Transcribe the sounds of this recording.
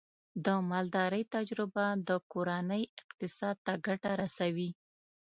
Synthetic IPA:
d̪əmɑld̪ɑɾəjt̪ad͡ʒɾɪbad̪əkoɾanəjɪqt̪ɪsɑd̪̚t̪aɡaʈaɾasawi

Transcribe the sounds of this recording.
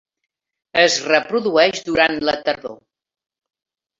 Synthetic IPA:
əzrəpɾuðuɛʃðuɾanlət̪əɾðo̰

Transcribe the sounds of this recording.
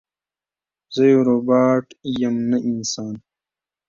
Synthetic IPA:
zɐjoɾobaːʈijɐmnɐʔinsaːn

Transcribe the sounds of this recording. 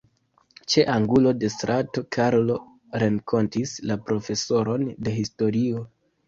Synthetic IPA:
t͡ʃe̞ʔaŋɡulo̞de̞stɾʔato̞kʰaɾlo̞ | ɾeŋkʰo̞ntislapɾo̞fe̞so̞ɾo̞nde̞ɦisto̞ɾio̞

